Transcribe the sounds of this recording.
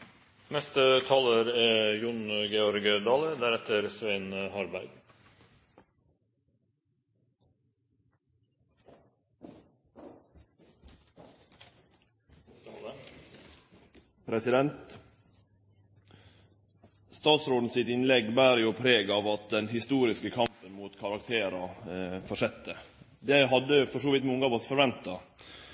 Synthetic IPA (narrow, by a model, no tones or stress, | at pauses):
nɛst̪ət̪ʰɑːləɾeːjʊnɡɛɔɾɡəd̪ɑːləd̪æɾɛt̪ʰəɾsʋeɪnhɑɾbæɾɡ | pʰɾɛsɪd̪ɛnt̪ | st̪ɑːt̪sɾoːd̪n̩sɪt̪ɪnlɛɡbæːɾjupʰɾeːɡɑːʋɑt̪̚d̪ɛnɦɪst̪uːɾɪskəkʰɑmpənmuːt̪kʰɑɾɑkt̪ʰeːɾɑfɔʂɛt̪ʰːə | d̪eɦɑd̪əfɔʂoːʋɪt̪mɔŋəɑːʋɔsfɔɾʋɛnt̪ɑ